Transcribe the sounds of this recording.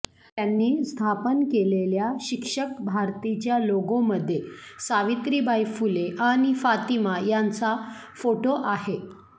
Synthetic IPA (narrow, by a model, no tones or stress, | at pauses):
t̪janːiːst̪ʰapənkeleljaɕikʂək̚bʱaɾt̪it͡ɕjaloɡoməd̪ʱːjesaʋit̪ɾiːbajfuleʔaɽ̃ifat̪imajant͡sa | foʈoʔaɦe